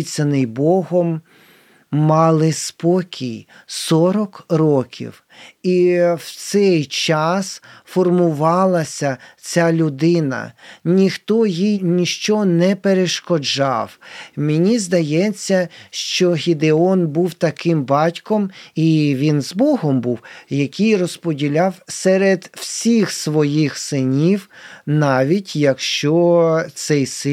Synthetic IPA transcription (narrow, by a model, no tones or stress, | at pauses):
t͡sʲɐnɪjbɔɦɔmː | ɑlˠɪspɔkʲʰij | sɔɾɔkɾɔkʲḭw | iwt̪sɛjt͡ʃɑsfɔrmʊʋɑlˠɐsʲɐt͡sʲalʲʊd̪ɪnɐ̰nʲixt̪ɔjijnʲiʃt͡ʃɔnɛpeɾeʃkɔd͡ʒɑ̰wmɪnʲizd̪ɐjɛt͡sʲːɐʃt͡ʃɔɦʲid̪eɔnbuwt̪ɐkɪmbɑtʲkɔmiʋʲinzbɔɦɔmbuwjɐkʲijrɔspɔdʲilʲɑwsɛɾed̪w̥sʲixsʋɔjixsɪnʲiwnɑʋʲitʲjɐkʃt͡ʃɔt̪sɛjsɪ